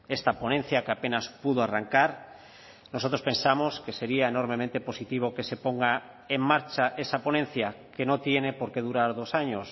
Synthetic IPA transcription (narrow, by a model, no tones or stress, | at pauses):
est̪aponẽn̟θjakeapenaspuð̞oaraŋkaɾ | nosot̪ɾospe̞nsamoskeseɾiaenoɾmemẽnt̪eposit̪iβ̞okesepoŋɡa | eŋmaɾt͡ʃaʔesaponẽn̟θjakenot̪jenepoɾkeðuɾaɾðosaɲos